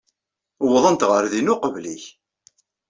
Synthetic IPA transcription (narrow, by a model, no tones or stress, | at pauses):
wəðˤənt̪ʁəɾðinʊqəvliç